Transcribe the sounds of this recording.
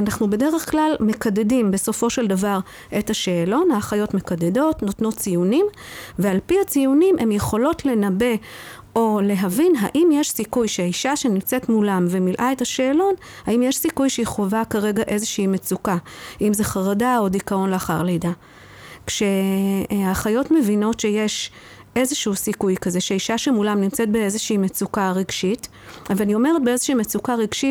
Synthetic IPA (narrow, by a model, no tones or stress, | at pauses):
anaχnube̞de̞ʁeχklalme̞kadedimbe̞so̞fo̞ʃe̞ldavaʁ | ʔe̞taʃeːlo̞naːχajo̞tme̞kadedo̞tno̞tno̞t͡sijunimve̞alpihat͡sijunimʔe̞mje̞χo̞lo̞tle̞nabe̞ | o̞le̞ɦavinɦaʔimjeʃsikujʃeiʃaʃe̞nimt͡se̞tmulamvemilʔaetaʃeːlo̞n | haimjeʃsikujʃeiχovakaʁe̞ɡaʔe̞zeʃiimet͡sukaʔimzeχaʁadao̞dikao̞nleaχaʁlejda | kʃe̞ | aχajo̞tme̞vino̞tʃe̞jeʃ | e̞zeʃuusikujkaze̞ʃeiʃaʃemulamnimt͡set̚be̞e̞zeʃiimet͡sukaʁeɡʃit | avalanio̞me̞ʁet̚beezeʃiːmet͡sukaʁiɡʃit